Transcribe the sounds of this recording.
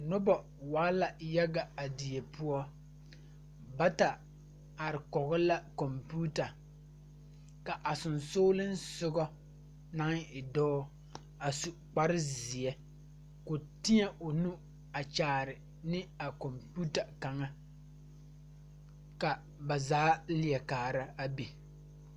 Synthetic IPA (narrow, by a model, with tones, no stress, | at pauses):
nʊ˦bɔ˨ | waː˨˦la˨ja˦ɡa˨a˨di˨e˨pʊ˦ɔ˦ | ba˦ta˨ | a˨ɾɪ˨kɔ˨ɣɔ˦la˦ko˨mpuː˦ta˨ | ka˨ʔa˨sʊ˨nsoː˦lɪ˦nsʊ˦ɡɔ˦ | na˦ŋɪ˨dɔː˦ | a˨su˨ | k͡pa˦ɾɪ˦zi˨ɛ˦ | ko˨tɪ˦ɲɛ˦ʔo˨nu˦ | a˨t͡ʃaː˨ɾɪ˨ | nɪ˦a˨ko˨mpu˦ta˨ka˨ŋa˦ | ka˨ | ba˨zaː˨˦li˨ɛ˨kaː˨ɾa˦a˦bi˨